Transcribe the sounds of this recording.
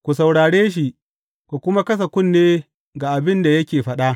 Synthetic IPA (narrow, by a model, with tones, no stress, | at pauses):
kʷu˨sa˨wɽaː˨ɽeː˦ʃi˦ʔ | kʷu˨kʷʊ˦ma˦kɐ˦s̬ɐ˨kʷʊ˦˨nːeː˦ | ɡaː˨ʔa˨bɪ˦nda˨jɐ˦kʲeː˨ɸɐ˦ɗa˦ʔ